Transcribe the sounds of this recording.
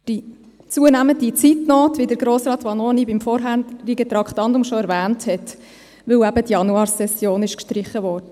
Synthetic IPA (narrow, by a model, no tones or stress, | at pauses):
d̥i | t͡suənæməndit͡sitnɔːtʋidəɾɡɾoːsɾɑːt̪ʋɑnonibimfɔɾɦæɾiɡət̪ɾɑkχtɑndʊmʃɔæɾʋæːnthɛt | ʋɵwæbətjɑnuɑːɾsɛsjoːnɪʃkʃtɾɪχəʋɔːɾdə